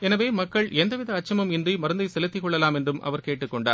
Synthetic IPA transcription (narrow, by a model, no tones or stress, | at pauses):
ɛnɐʋeːmɐkːɐɭɛnd̪ɐʋɪðɐːt͡ʃːɐmɯmɪndrimɐɾɯnd̪ɐɪsɛlɐt̪ːɪkːɔɭːɐlaːmɛndrɯmʔɐ̰ʋɐɾkeːʈːɯkːɔɳɖa̰ːɾ